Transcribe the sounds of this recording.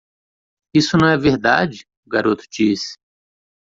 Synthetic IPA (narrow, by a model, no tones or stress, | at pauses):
isʊnɐ̃w̃ɛveɾd̪ad͡ʒɪ | ʊɡaɾot̪ʊ̥d͡ʒisɪ̥